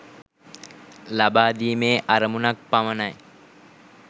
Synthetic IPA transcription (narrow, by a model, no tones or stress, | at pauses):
labaːd̪iːmeːʔaɾɐmunak̚pamənaj